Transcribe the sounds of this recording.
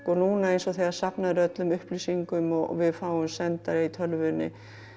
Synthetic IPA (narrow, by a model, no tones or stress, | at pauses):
kɔnuːnaejnsɔθɛḁsapnaðɪɾœt̪lʏmʏhplisiŋkʏmɔ̰vɪðfaːwʏmsɛnt̪aɾɪit̪ʰœlvʏnːɪ̰